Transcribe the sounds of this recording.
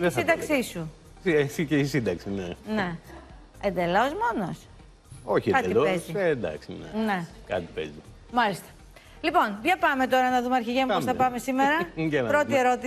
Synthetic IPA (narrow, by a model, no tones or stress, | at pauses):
ðesind̪ɐkssisu | siesiceisind̪ɐksinene̞ | end̪e̞lo̞zmo̞no̞s | o̞çiekɐeiloeszied̪ɐ̰ksinene̞kɐt̪i̥pḛzi | mɐlist̪ɐ̥ | lipo̞npçɐpɐme̞t̪o̞ɾɐnɐðumeɐɾçiʝemuossθɐpɐme̞simeɾɐɟelɐpɾo̞t̪ie̞ɾo̞t̪i